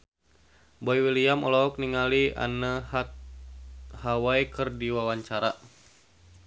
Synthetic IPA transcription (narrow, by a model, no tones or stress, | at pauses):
bɔjwiliamɔ̰lɔɔk̚niŋalia̰nəh | hawaikɨrdiwawaɲt͡ʃaɾa